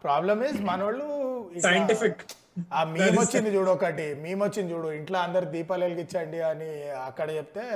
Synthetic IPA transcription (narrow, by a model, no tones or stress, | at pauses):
pɾaːblɐmismɐnɐʋɐɭːuisɐjɐɳʈipik | aːmiːmot͡ʃːind̪id͡ʒuːɽoɔkɐʈimiːmot͡ʃːind̪it͡ʃd͡ʒuːɽuiɳʈlaːɐnd̪ɐɾid̪iːpɐːlelkit͡ʃːaːɳɖiɐniɐkːɐɽɐt͡ʃep̚t̪e̞ː